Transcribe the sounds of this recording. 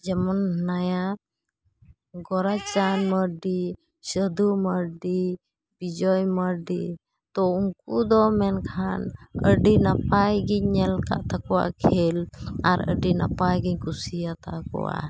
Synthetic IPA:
d͡ʒɛmɔnnaja | ɡɔɾat͡ʃanməɾɖi | səd̪uməɾɖi | bid͡ʒɔjməɾɖi | t̪ɔuŋkud̪ɔmɛnkʰanə̰ɖinapajɡiɲːɛlka̰ʔt̪akɔwa̰ʔkʰɛlaɾə̰ɖina̰pajɡiɲkusijat̪akɔ̰wa̰

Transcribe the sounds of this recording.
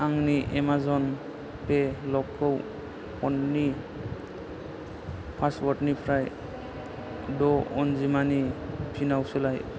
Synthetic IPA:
aŋniʔɛmazɔn | pelɔkʰːɔw | ɔnːi | pʰaswɔʈnipʰɾaj | dɔɔnzimanipʰinawselaj

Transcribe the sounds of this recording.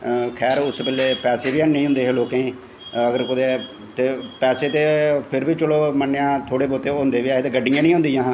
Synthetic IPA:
kʰɛːɾʊspɛleːpɛːseːʋiːanẽĩɦʊ̃nd̪eːɦeloːkẽː | əɡəɾkʊd̪eː | t̪eːpɛːseːt̪eːpʰɪɾbiːt͡ʃəloːmənːejãːt̪ʰoːɽeːboːt̪eːɦʊ̃nd̪eːʋiːaːɦeːt̪eːɡəɖːɪjãːnĩːɦʊ̃nd̪ijãː

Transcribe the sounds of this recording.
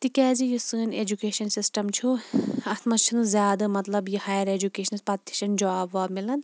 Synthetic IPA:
t̪ikɛːd͡ʒijusɨːneːd͡ʒukeːʃɐnsisʈɐmt͡ʃʰuɐt̪ʰmɐt͡ʃʰinɨzjaːd̪ɐmɐt̪lɐbjihaːjɐɾeːd͡ʒukeːʃɐnspɐt̪ːi̥ʃɐnd͡ʒaːbʋaːbmilɐn

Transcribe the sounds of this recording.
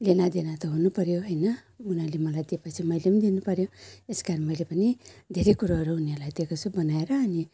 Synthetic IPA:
lenad̪enat̪ʌɦunupʌɾjoɦʌjnʌ | unalemʌlajd̪ipʌt͡sʰimʌjlimd̪inupʌɾjoeskaɾmʌjlepʌnid̪ʱeɾekuɾaɦʌɾuɦunelajt̪ekʰot͡sʰubʌnaeɾʌːni

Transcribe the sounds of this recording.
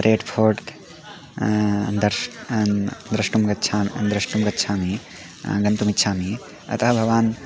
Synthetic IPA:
ɾʔeːʈpʰoːɾʈt̪ | nd̪ɐɾ | d̪ɾɐʃʈumɡɐt̪ːt͡ʃʰaːmnd̪ɾɐʃʈumɡɐt̪ːt͡ʃʰaːmi | ɡɐnt̪umit̪ːʃʰaːmi | ɐ̰t̪ɐɦɐbʱɐʋaːn

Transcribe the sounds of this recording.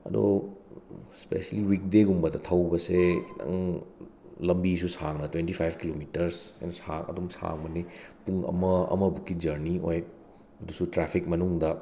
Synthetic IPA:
ɐ̰d̪o̰ | spḛseliwik̚deɡumbɐdɐt̪ʰɐwbɐsedɐ̰ŋ | lɐmbisusaŋnɐtwentipʰajb̚ʱkilomitɐɾsɛ̰nsakɐ̰dumsa̰ŋbɐnipuŋɐ̰mɐɐ̰mɐbukːid͡ʒɐɾnioj | ɐdusutɾepʰik̚mɐnuŋdɐ

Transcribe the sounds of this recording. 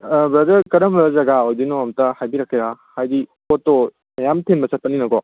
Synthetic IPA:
bɾɐdɐɾkɐɾɐmɾɐzɐɡaojdinoɐmtɐhajbiɾɐkʰːiɾahajdikotːo | mɐjamtʰenbɐsɐt̚pɐninɐɡɔ

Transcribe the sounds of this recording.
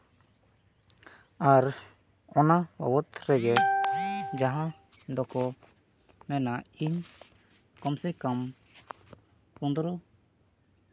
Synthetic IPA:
aɾ | ɔnawɔ̰wɔt̪ɾɛɡɛ | d͡ʒaɦã | d̪ɔkɔ | mɛnaiɲ | kɔmsɛkam | kund̪ɾɔ

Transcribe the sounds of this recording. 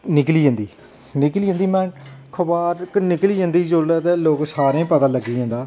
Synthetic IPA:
nɪkliːə̃ːnd̪iː | nɪklĩːnd̪iːmɛ̃ːnkʰʊbaːɾknɪkliːɦə̃ːnd̪iːd͡ʒolət̪ːloːksaːɾẽːpət̪ãːləɡːiːɦãːnd̪aː

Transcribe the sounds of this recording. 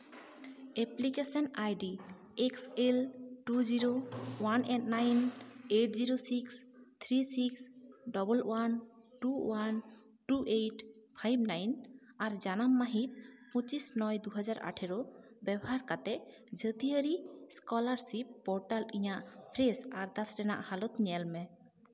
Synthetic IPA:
eplikesɔnajɖi | ekselʈuziɾowanʔɛʈnajneʈ̚ʰziɾosikst̪ʰɾisiksɖɔbəlwan | ʈuwan | ʈuʔejʈpʰajb̚najn | aɾd͡ʒanamːaɦit̪̚pə̃t͡ʃisnɔjd̪uɦad͡ʒaɾʔa̰ʈʰɛɾɔ | bɛbɔɦaɾkat̪ɛʔ | d͡ʒət̪iəɾiskɔlaɾsipːɔɾʈaliɲaʔpʰɾesaɾd̪asɾɛna̰ʔhalɔt̪ɲɛlmɛ

